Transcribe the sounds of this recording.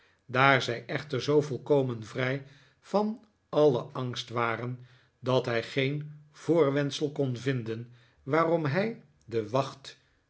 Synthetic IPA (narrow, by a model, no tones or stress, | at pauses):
daːɹzɛjʔɛχtəɹzowvɔlˠkowmənvrɛj | v̥ɑn | ɑləʔɑŋstʋaːrən | dɑtɦɛjχejnv̥ʊːɹʋɛntsəlˠkɔnvɪndən | ʋaːrɔmɦɛj | dəʋɑχt